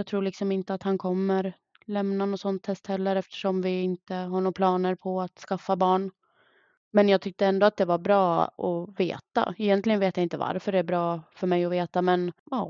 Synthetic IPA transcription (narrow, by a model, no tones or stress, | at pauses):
jɑɡt̪ʰɾuːɭɪksɔmɪnt̪əat̪hankʰɔmːəɾ | lɛmnanɔsɔnt̪ʰːɛst̪hɛlːəɾɛft̪ə̥ʂɔmvɪɪnt̪əɦaɳuːpʰlɑːnəɾpʰɔat̪skafːabɑːɳ | mɛnjɑːɡt̪ʰʏk̚t̪əɛnd̪oat̪̚d̪ɛvaɾbɾɑːɔ̰vḛːt̪a̰ɛjɛnt̪lɪɡənveːt̪jaɪnt̪əva̰ɾfœɖɛæbɾɑːfœɾmɛjɔveːt̪amɛnɑː